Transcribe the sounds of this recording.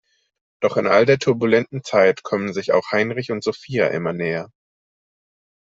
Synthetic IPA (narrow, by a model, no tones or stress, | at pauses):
d̥ɔχɪnʔa̰ldeːɐtʰʊɐbulɛntn̩t͡saɪtkʰɔmənzɪça̰ʊxhaɪnʁɪçʊntz̥ofiːa̰ʔɪ̰mɐnɛːɐ